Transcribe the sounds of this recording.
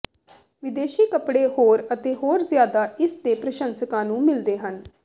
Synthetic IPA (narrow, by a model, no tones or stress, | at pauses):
ʋɪd̪eːʃiːkəpɽeːɦoːɾət̪eːɦoːɾzɪjaːd̪aːɪsd̪eːpɾəʃənsəkãːnũːmɪld̪eːɦən